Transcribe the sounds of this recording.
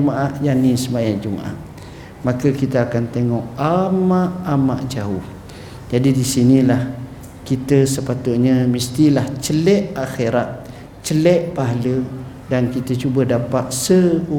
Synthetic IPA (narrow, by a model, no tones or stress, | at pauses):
əmaʔaʔjanisəmajand͡ʒəmaʔa̰ʔ | makəkit̪əakant̪eŋɔʔamaʔamaʔd͡ʒau | d͡ʒadidisinilah | kit̪əsəpat̪uʔ̚ɲəmist̪ilaht͡ʃəlɛʔaxeɾat̪̚ | t͡ʃəlɛʔpaɦalə | dankit̪ət͡ʃubədapaʔ̪̚səu